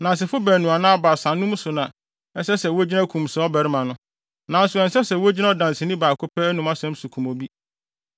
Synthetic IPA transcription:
nã˨n˨s̬ɪ˨fʊ˦bæː˨nũ˨a˨nã˦a˦ba˨sã˨nːũ˦m˦sʊ˨nã˨ | ɛ˦sɛ˦sɛ˨wo˦d͡ʑi˦nã˦kʰũ˨msɛ˨ɔ˦bæ˨ɾɪ˦mã˨nʊ̃˦ | nã˨n̩˦sʊ˨ɛ̃˨nsɛ˦sɛ˨wo˦d͡ʑi˦na˦ɔ˦dã˨nsɪ˨nĩ˦baː˨kʰʊ˦pʰɛ˦nũ˨ma˦sɛ̃˦m˦sʊ˨kʰũ˨mo˨bi˦

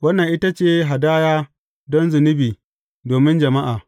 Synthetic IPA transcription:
wɐ˦nːɐ˨ŋʔɪ˦ta˦t͡ʃeː˦ɦa˨daː˦jaː˦ | dɔ˦nzʊ˨nɪ˦biː˨ | doː˨mɪ˦nd͡ʒɐ˨ma˦ʔaː˨

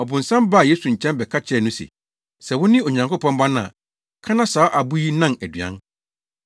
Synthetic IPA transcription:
ɔ˨bʊ̃˨nsã˦mba˦˨je˦su˨ɲ̩˨t͡ɕʰɛ̃˦nbɛ˨kʰa˦t͡ɕʰɪ˦ɛ˦˨nʊ̃˦sḛ˨ | sɛ˨wʊ̃˦nɪ̃˦o˨ɲã˨ŋko˦pʰɔ̃˦mbã˦nã̰˨ | kʰã˦nã˦saː˨˦ʔa˨bu˦ji˦nã˦næ˨dɥã̰˦n

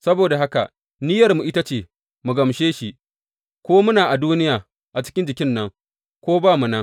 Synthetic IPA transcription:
sɐ˦boː˨da˨ɦa˦ka̰˨ | nɪ˦jɐ˨rmu˨ʔɪ˦ta˦t͡ʃeː˨ | mu˨ɡɐ˨mʃeː˦ʃi˦ʔ | kʷoː˦mʊ˦naː˨ʔa˨duː˦nɪ˦jaː˨ | ʔa˨t͡ʃɪ̥˦kʲɪ˦nd͡ʒɪ˨kʲɪ˦nːɐ˦ŋ | kʷoː˦baː˦˨mu˨nɐ˦ŋ

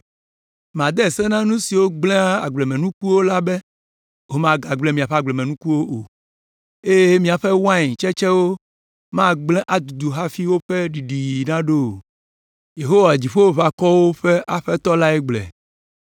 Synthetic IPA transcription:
m˨ã˨d̪ɛ˦ɛ˨sɛ˦nã˦nũ˦si˨wo˦ɡ͡blɛ̃˦a˦a˨ɡ͡blɛ˨mɛ̃˨nũ˦ku˦wo˦la˦bɛ˦ | wo˦mã˦ɡa˨ɡ͡blɛ˦mĩ˨a˨ɸɛ˦a˨ɡ͡blɛ˨mẽ˨nũ˦ku˦wo˦ʔo˨ | e˦je˦mĩ˦a˨ɸe˦wã˦ɲĩ˨t͡ʃɛ˦t͡ʃɛ˦wo˦ | mã˦ɡ͡blɛ̃˦ʔa˨d̪u˨d̪u˨ɦa˦fi˦wo˦ɸe˦ɖi˨ɖi˨ji˨nã˦ɖo˦˨ | je˨ɦo˦wa˨d͡ʑi˨ɸo˦wo˨βa˨kɔ˦wo˦ɸe˦ʔa˨ɸɛ˦t̪ɔ˦la˦ɛ˦ɡ͡blɛ̰˨

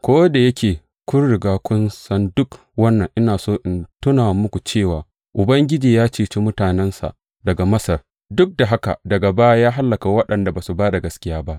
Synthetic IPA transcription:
kʷoː˦da˨jɐ˦kʲeː˨ | kʷʊ˦nɽɪ˨ɡaː˦kʷʊ˦nsɐ˦ndʊ˦k | wɐ˦nːɐ˨ŋʔɪ˦naː˨soː˦ʔɪ˨ntʊ˦naː˨mʊ˦kʷu˨t͡ʃeː˦˨waː˨ | ʔʊ˨bɐ˦ŋɡʲɪ˦d͡ʒiː˨jaː˦t͡ʃeː˨t͡ʃi˦mʊ˦taː˨nɛ˦nsa̰˨ | dɐ˨ɡa˨mɐ˦sɐ˨r | dʊ˦k̚da˨ɦa˦ka̰˨dɐ˨ɡa˨baː˦ja˦jaː˦ɦa˦lːɐ˨ka˨wɐ˦ɗɐ˨nda˨baː˨su˨baː˦da˨ɡɐ˦skʲɪ˦jaː˦ba˦ʔ

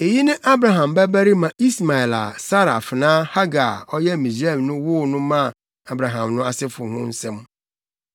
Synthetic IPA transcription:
e˨ji˦nɪ̃˦ʔa˦bɾa˨ɦã˨mbæ˦bæ˦ɾi˦mã˨ʔi˦sma˨ɛ˨la̰˨sa˦ɾa˨fɪ˨nãː˦ha˦ɡa˨ɔ˦jɛ˦˨mĩ˨za˦˨mnʊ̃˦wʊ˦˨nʊ̃˦mã˦˨ | a˨bɾa˨ɦã˨mnʊ̃˦a˨sɪ˦fʊ˨hʊ̃˦n̩˦sɛ̃˦m

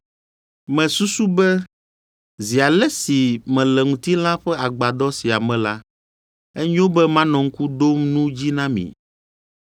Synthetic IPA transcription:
mɛ̃˨su˦su˦bɛ˦ | zi˨a˨lɛ˦si˨mɛ̃˨lɛ˨ŋũ˨t̪i˦lã˦ɸɛ˦a˨ɡ͡ba˨d̪ɔ˦si˨a˨mɛ̃˨la˦ | ɛ˦ɲ˦õ˦bɛ˦mã˦nɔ̃˨ŋ̩˦ku˦ɖ̪o˦mnũ˦d͡ʑi˦nã˦mḭ̃˨

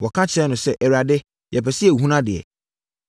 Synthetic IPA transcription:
wɔ˨kʰã˦t͡ɕʰɛ˦nʊ̃˨sɛ˦ʔɛ˨ɾa˨dɪ˦ | jɛ˨pɛ˨si˦ɛ˨hũ˦nã˦dɪ˨ɛ̰˨

